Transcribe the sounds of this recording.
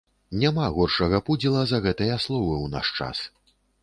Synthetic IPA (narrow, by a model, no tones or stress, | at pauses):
nʲamaɣɔrʂɐɣɐpud͡zʲilˠɐzɐɣɛt̪ɨjɐslˠɔvɨwna̰ʂt͡ʂa̰s